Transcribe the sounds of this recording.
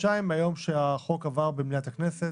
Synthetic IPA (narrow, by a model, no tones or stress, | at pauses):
t͡ʃaimajo̞mʃeaχo̞kavaʁbemniat̪aknese